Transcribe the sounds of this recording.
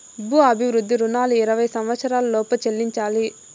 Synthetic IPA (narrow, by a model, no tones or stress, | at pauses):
bʱuɐbʱiʋɾud̪ːiɾunaːluiɾɐʋɐjsɐmʋɐt̪sɐɾaːlɐlɔːpɐt͡ʃelːiɲt͡ʃaːli